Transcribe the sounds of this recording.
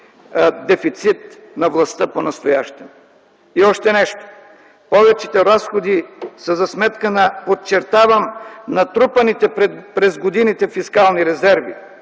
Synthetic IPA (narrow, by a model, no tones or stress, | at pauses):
d̪ɛfit̪sit̪̚ | nɐvlˠɐst̪əponɐst̪ojaʃt̪ɛm | iɔʃt̪ɛnɛʃt̪o̥ | pɔvɛt͡ʃit̪ɛɾasxod̪isɐzɐsmɛt̪kənɐpott͡ʃɛɾt̪avəmnɐt̪ɾupɐnit̪ɛppɾɛzɡod̪init̪ɛfiskalˠniɾɛzɛɾvḭ